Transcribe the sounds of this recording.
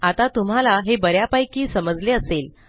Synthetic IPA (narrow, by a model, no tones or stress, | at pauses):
at̪at̪um̤alaɦebəɾjapajkiːsəməd͡zleəsel